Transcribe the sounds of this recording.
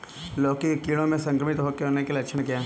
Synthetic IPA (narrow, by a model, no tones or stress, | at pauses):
loːkikiːɽ̃õmẽsɐ̃ŋkɾəmit̪ɦokːeɦoːnekelilɐkʃʰənkaː